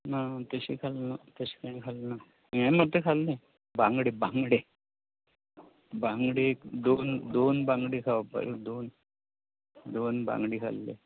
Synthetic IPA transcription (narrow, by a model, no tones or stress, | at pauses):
nat̪əɕikʰalnat̪əɕi̥kãĩkʰalna | ãmat̪ɾəkʰalne | bãŋɡɽebãŋɡɽe | baŋɡɽekd̪ond̪onbãŋɡɽikʰaʋapə̰ɾed̪on | d̪onbã̰ŋɡɽikʰa̰lːḛ